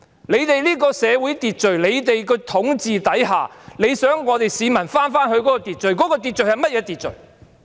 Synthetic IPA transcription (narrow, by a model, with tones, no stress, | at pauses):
le˨˧jt̪e˨jliː˥kɔː˧sɛː˨˧wuː˨˥jt̪iː˨t̚t͡ʃɵ˨˩ɥle˨˧jt̪e˨jkɔː˧t̪ʰʊ˨˥ŋt͡siː˨t̪ɐ˨˥jɦa̰ː˨le˨˧jsœː˨˥ŋːɔː˨˧t̪e˨jsiː˨˧mɐ˨˩nfaː˥nfaː˥nhɵ˧ɥkɔ˨˥kɔː˧t̪iː˨t̚t͡ʃɵ˨ɥkɔː˨˥kɔː˧t̪i˨t̚t͡ʃɵ˨ɥhɐ˨˩jmɐ˥t̚jɛː˨˧t̪iː˨t̚t͡ʃɵ̰˨ɥ